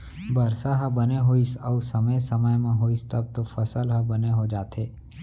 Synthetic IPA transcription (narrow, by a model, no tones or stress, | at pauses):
bəɾsaɦãbəneɦoːisəusəməjsəməjmãɦoːist̪əb̚t̪ofəsəlɦãbəneɦod͡ʒaːt̪ʰeː